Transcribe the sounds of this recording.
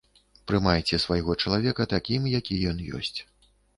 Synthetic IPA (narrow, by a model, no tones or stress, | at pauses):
pɾɨmajt͡sʲɛsvajɣɔt͡ʂɐlˠavʲɛkɐt̪akʲimjakʲijɔnjɔ̰sʲt͡sʲ